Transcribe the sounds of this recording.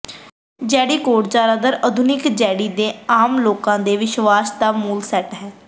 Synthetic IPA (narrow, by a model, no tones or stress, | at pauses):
d͡ʒɛːɽiːkoːʈd͡ʒaːɾaːd̪əɾəd̪ʱʊnɪkd͡ʒɛːɽiːd̪eːaːmloːkãːd̪eːʋɪʃʋaːsd̪aːmuːlsɛːʈɦɛː